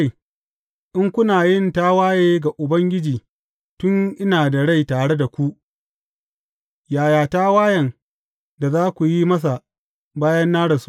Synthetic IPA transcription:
ʔɪ˦ŋkʷʊ˦naː˨jɪ˦˨ntaː˦waː˦jeː˦ɡa˨ʔʊ˨bɐ˦ŋɡʲɪ˦d͡ʒiː˨ | tʊ˦ŋʔɪ˦naː˨da˨ɽa˦˨jtaː˨ɽe˦da˨kʷu˦ʔ | jaː˨jaː˨taː˦waː˦jɐ˨n | da˨zaː˦kʷu˨ji˦mɐ˦s̬a˨ | baː˦jɐ˦nːaː˦ɽɐ˨s

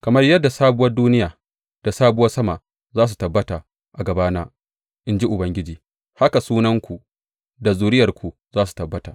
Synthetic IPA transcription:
kɐ˨mɐ˦rjɐ˦dːa˨saː˦bʊ˦wɐ˦rduː˦nɪ˦jaː˨ | d̥a˨saː˦bʊ˦wɐ˦rsɐ˦ma˨ | zaː˦s̬u˨tɐ˨bːɐ˦ta˨ | ʔa˨ɡɐ˨baː˦naː˦ | ʔɪ˦nd͡ʒi˦ʔʊ˨bɐ˦ŋɡʲɪ˦d͡ʒiː˨ | ha˦ka˨suː˦nɐ˦ŋkʷu˨ | da˨zuː˨ɾɪ˦jɐ˨rkʷu˨ | zaː˦su̥˨tɐ˨bːɐ˦taː˨

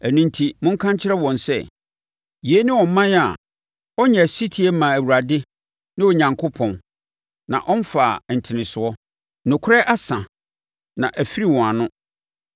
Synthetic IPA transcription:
æ˨nũ˦ntʰi˦mʊ̃˦ŋ̩˦kʰã˦ɲ˦t͡ɕʰɪ˦ɾɛ˦wɔ̃˨nsɛ̰˦ | ji˨e˦nɪ̃˦wɔ̃˨m̩˨mã˦n˦a̰˨ | ɔ˦ɲɛ˨æ˨si˦tʰi˨˦e˦mã˨æ˨wu˨ɾa˨dɪ˦ | nɪ̃˦wo˨ɲã˨ŋkʰo˦pʰɔ̃˨n | nã̰˨ʔɔ̃˦n˦faː˨n̩˨tʰɪ˨nɪ̃˨sʊ˨ɔ˦ | nʊ̃˨kʰʊ˦ɾɛ˦ʔa˦sã˨ | nã˨ʔæ˨fi˦ɾi˦wɔ̃˨a˨nʊ̃˦

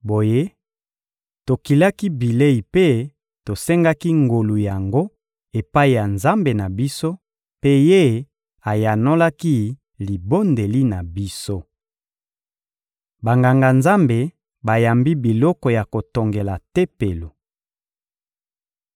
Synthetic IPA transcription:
bo˨je˦ | to˨ki˨la˦ki˦bi˨le˦i˨pe˦ | to˨sɛ˦ŋɡa˦ki˦ŋɡo˨lu˨ja˨ŋɡo˦ | e˨pa˦i˨ja˨nza˦mbe˨na˨bi˦so˦ | pe˦je˦ | a˨ja˨no˦la˦ki˦ | li˨bo˦nde˨li˦na˨bi˦so˦ | ba˨ŋɡa˨ŋɡa˨nza˦mbe˨ | ba˨ja˨mbi˦bi˨lɔ˦kɔ˨ja˨ko˨to˨ŋɡe˨la˨te˦pe˨lo˨

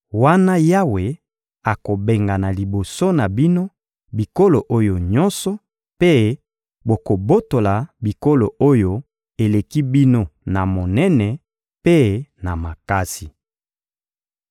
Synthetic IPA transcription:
wa˦na˦ja˦we˨ | a˨ko˨be˨ŋɡa˨na˨li˨bo˨so˦na˨bi˦no˦ | bi˨ko˦lo˨ʔo˦jo˨ɲɔ˦nsɔ˨ | pe˦ | bo˨ko˨bo˦to˨la˨bi˨ko˦lo˨ʔo˦jo˨ | e˨le˨ki˦bi˦no˦na˨mo˨nɛ˦nɛ˨ | pe˦na˨ma˨ka˦si˨

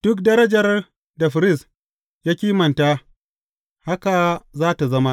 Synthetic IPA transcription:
d̥ʊ˦k̚dɐ˦ɾɐ˦d͡ʒɐ˨r | da˨ɸɪ˨ɾɪ˦˨s | jaː˦kʲiː˦mɐ˨nta˦ | ha˦ka˨zaː˦ta˨zɐ˦ma˦ʔ

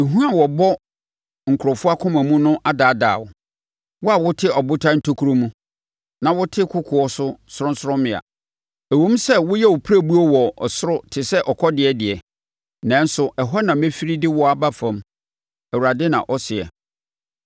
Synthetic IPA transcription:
e˨ɦũ˦a˨wɔ˨bɔ˦ | ŋ̩˨kʰʊ˨ɾɔ˨fʊ˦a˦kʰʊ̃˦mæ̃˨mũ˦nʊ̃˦ʔa˦daː˨˦˨da̰ː˨wʊ̰˨ | wɔ˦a˨wʊ˦tʰɪ˦ɔ˨bʊ˦tʰã˦n̩˦tʰo˦kʰu˨˦ɾo˦mũ˦ | nã˨wʊ˦tʰɪ˦kʰʊ˦kʰʊ˨ɔ˦sʊ˦sʊ˦ɾʊ̃˦n̩˦sʊ˦ɾʊ̃˦mɪ̃˨a̰˨ | æ˨wõ˦m˦sɛ˦wʊ˦jɛ˦wʊ˨pʰɾæ˦bu˦ɔ˦wɔ˨ɔ˨sʊ˦ɾʊ˦tʰɪ˨sɛ˦ʔɔ˨kʰɔ˦dɪ˨ɛ˨dɪ˨ɛ˨ | nã˨˦n˦sʊ˨ʔɛ˨ɦɔ˦nã˨mɛ̃˦fi˦ɾi˦dɪ˦wɔ˦a˨ba˦fã˨m | æ˨wu˨ɾa˨dɪ˦nã̰˨ʔɔ˦sɪ˨ɛ̰˨

